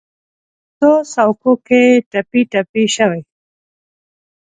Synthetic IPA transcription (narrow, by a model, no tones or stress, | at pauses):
sosawkokeʈapiʈapiʃɐwej